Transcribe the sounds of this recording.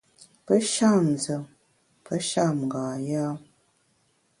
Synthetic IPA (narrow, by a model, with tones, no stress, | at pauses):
pə˦ʃa˦˨mzə˨m | pə˦ʃa˦˨m˨ɡa˨ja˦